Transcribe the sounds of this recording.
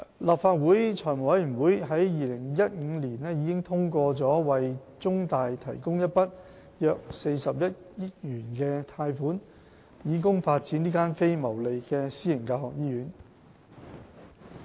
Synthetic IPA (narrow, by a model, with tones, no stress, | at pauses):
laː˨pfaː˧t̚wuː˨˥jt͡ʃʰɔː˨˩jmʊ˨˩wɐ˨˥jyː˨˩nwu˨˥jɦɐ˨˥jjiː˨lɪ˨˩ŋjɐ˥t̚ŋ̩ː˨˧liː˨˩nɛː˥ji˨˧kɪ˥ŋt̪ʰʊ˥ŋkʷɔː˧t͡sɔː˨˥wɐ˨j | t͡sʊ˥ŋt̪aː˨jt̪ʰɐ˨˩jkʊ˥ŋjɐ˥t̚pɐ˥t̚ | jœː˧k̚se˧jsɐ˨p̚jɐ˥t̚jɪ˥t̚jyː˨˩nkɛː˧t̪ʰaː˧jfuː˨˥n | jiː˨˥kʊ˥ŋfaː˧t̚t͡siː˨˥niː˥kaː˥nfe˥jmɐ˨˩wle˨jkɛː˧siː˥jɪ˨˩ŋkaː˧hɔː˨k̚jiː˨˥jyː˨˥n